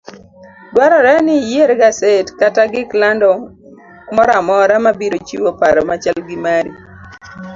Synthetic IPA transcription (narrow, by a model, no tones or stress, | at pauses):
dwaɾɔɾɛnɪjeɾɡasetkataɡɪklandɔ | mɔɾamɔɾamabiɾot͡ʃiwopaɾɔmat͡ʃalɡɪmaɾi